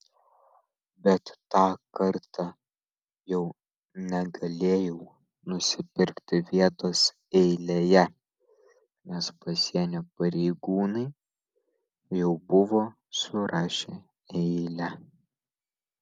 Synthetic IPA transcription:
bʲɛt̪ːɑːkɐɾt̪ɑ | jɛʊ | nʲɛɡɐlʲeːjɛʊ | nʊsʲɪpʲɪɾʲkt̪ʲɪʋʲiɛt̪oːs | ɛɪlʲeːjɛ | nʲɛspɐsʲiɛnʲoːpɐɾʲɛɪɡuːnɐɪ | jɛʊbʊʋoː | sʊɾɑːʃʲe | ɛɪlʲɛ

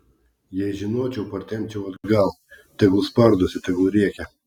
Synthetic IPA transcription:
jɛɪʒʲɪnoːt͡ʃʲɛʊpɐɾʲt̪ʲɛmʲt͡ʃʲɛʊɐd̪ɡɐlˠ | t̪ʲɛɡʊspɐɾd̪osʲɪt̪ʲɛɡʊɾʲiɛkʲɛ

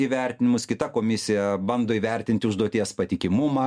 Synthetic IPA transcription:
iːʋʲɛrʲt̪ʲɪnʲɪmʊskʲɪt̪ɐkoːmʲɪsʲɪjɛbɐnd̪oːiːʋʲɛrʲt̪ʲɪnʲt̪ʲɪʊʒd̪uɔt̪ʲiɛspɐt̪ʲɪkʲɪmʊmɑː

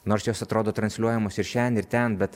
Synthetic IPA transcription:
noːɾsjoːsɐt̪ɾoːd̪oːt̪ɾɐnsʲlʲuɔjɛmoːsɪɾʃʲænʲɪɾt̪ʲɛnbʲɛt̪

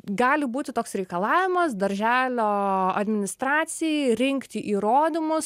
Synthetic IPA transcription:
ɡɑːlʲɪbuːt̪ʲɪt̪oːksɾʲɛɪkɐlˠɑːʋʲɪmɐsd̪ɐɾʲʒʲæːlʲoːɐd̪ʲmʲɪnʲɪst̪ɾɑːt̪sʲɪjɛɾʲɪŋʲkt̪ʲɪʔiːɾoːd̪ʲɪmʊs

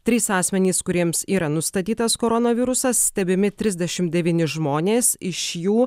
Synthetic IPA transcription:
t̪ʲɾʲiːsɑːsʲmʲɛnʲiːskʊɾʲiɛmsiːɾɐnʊst̪ɐt̪ʲiːt̪ɐskoːɾonɐʋʲɪɾʊsɐsːʲt̪ʲɛbʲɪmʲɪt̪ʲɾʲɪzʲd̪ʲɛʃʲɪmd̪ʲɛʋʲiːnʲɪʒmoːnʲeːsɪʃjuː

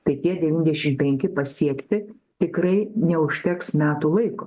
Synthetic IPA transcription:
t̪ɐɪt̪ʲiɛdʲɛʋʲiːnʲd̪ʲɛʃʲɪmpʲɛŋʲkʲɪpɐsʲiɛkt̪ʲɪ | t̪ʲɪkɾɐɪnʲɛʊʃʲt̪ʲɛksmʲæːt̪uːlˠɐɪkoː

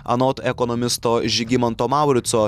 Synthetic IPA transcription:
ɐ̰nɔt̪ɛkɔnɔmʲɪst̪oːʒʲɪɡʲɪmɔnt̪oːmɑˑʊɾʲɪt̪soː

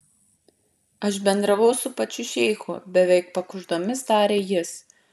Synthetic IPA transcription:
ɐʃbʲɛnd̪ɾɐʋɐʊsʊpɐt͡ʃʲʊʃʲɛɪxʊbʲɛʋʲɛɪkpɐkʊʒd̪oːmʲɪsd̪ɑːɾʲejɪs

